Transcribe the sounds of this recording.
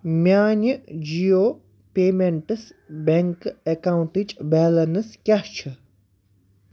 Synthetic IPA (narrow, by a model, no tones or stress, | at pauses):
mʲjaːnʲɨd͡ʒijoː | peːmeɳʈɨsbʲeŋkekawɳʈit͡ʃʼbɛːlɐnɨskʲɐht͡ʃʰɨ